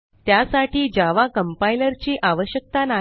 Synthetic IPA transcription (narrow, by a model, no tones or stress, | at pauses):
t̪jasaʈiːd͡ʑaʋakəmpailəɾt͡ɕiːʔaʋəɕjək̚t̪ana